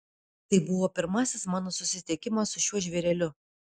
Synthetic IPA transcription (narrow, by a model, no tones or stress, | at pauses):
t̪ɐɪbʊʋoːpʲɪɾmɑːsʲɪsmɑːnoːsʊsʲɪt̪ʲɛkʲɪmɐsʊʃʲuɔʒʲʋʲɛɾʲɛlʲʊ